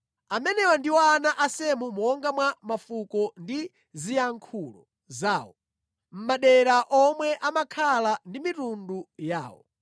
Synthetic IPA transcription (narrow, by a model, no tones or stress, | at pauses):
amɛnɛwandiwaanaʔasɛmumɔŋɡamwamafukɔndi | zijaŋkʰuːlɔ̰ | zaːwɔ | m̩maɗɛɾaʔɔmwɛʔamakʰalandimitunduja̰ːwɔ̰